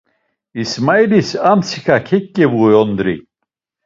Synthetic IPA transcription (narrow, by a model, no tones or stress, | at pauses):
ismajlisamsikakʰɪcːɪvuɔnd̪ɾɪ̰